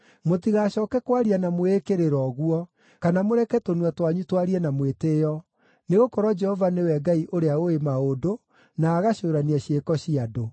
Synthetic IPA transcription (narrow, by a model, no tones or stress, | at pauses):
motiɣaɕɔːkɛkwaɾianamoekeɾeɾɔɣuɔ | kanamoɾɛkɛtonwatwaɲutwaɾiɛnamwetejɔ | neɣokɔɾwɔd͡ʒɛhɔvanewɛɡaiʔoɾeaoemaodo | naːɣaɕoːɾaniaɕekɔɕiado